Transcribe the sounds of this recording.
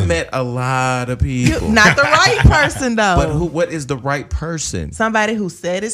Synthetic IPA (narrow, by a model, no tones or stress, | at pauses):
mɛɾəlɔɾʌv̥pʰijɨl̩ˠnət̪̚ðəɹaɪt̚pʰɜ˞sɨ̃nðoʊbʌt̚huwʌɾɪzðəɹaɪt̚pʰɜ˞sɨ̰̃nsʌ̃mbɑɾiɦusɛɾɨ